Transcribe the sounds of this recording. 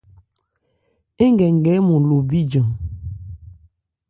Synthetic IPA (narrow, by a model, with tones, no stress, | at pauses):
e˦ŋɡɛ˨ŋ˨ɡɛ˨˦mu˨lo˨bi˦d͡ʒɔ˨ŋ